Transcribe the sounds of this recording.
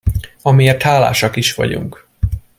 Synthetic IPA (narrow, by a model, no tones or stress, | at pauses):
ɒmieːrt̪haːla̰ːʃɒkiʃʋɒ̰ɟṵŋk